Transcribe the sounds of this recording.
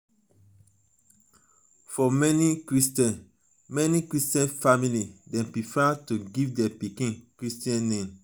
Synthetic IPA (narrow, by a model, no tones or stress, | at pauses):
fɔmɛnikɹistɛ̃n | mɛnikɹistɛ̃nfamilidɛ̃mpɹifɛtuɡivdɛpikĩnkɹistiɛ̃nːẽm